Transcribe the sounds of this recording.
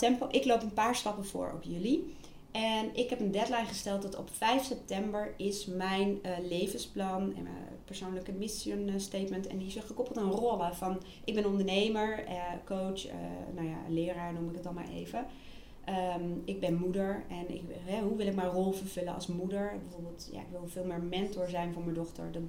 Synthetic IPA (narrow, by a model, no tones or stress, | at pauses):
ɛmpoʔɪklowpənpaːɹstɑpəvʊ̰ːɹɔ̰pjɵli | ɛnɪkɦɛpəndɛtlajnχəstɛlˠt̚dɑtɔ̰pfɛjfsɛp̚tɛmbəɹɪsmɛjnlejvənsplɑnɛ̰nmə̰ | pəɹsownləkəmɪsənstejtməntɛ̰ndisɪχəkɔpəlˠtɪnrɔlˠəvɑn | ʔɪɡ̚bɛnənɔndəɹnejməɹəkowt͡ʃə̰nawja̰lɪːɾaːɹnumɪkətɑlˠma̰ːɹḛjvə | ʔəmɪɡ̚bɛnmudəɹɛnɪ̰kɦɛɦuʋɪlˠɪkmaːɹrolˠvəɹv̥ɵlənɑ̰lˠsmudəɹbəvoːɹbəːlˠtja̰ɪ̰kʋɪlˠvɪːlˠmɪːɹmɛntɔɹzɛjnvʊːɹməndɔχtə̰ɹdɑt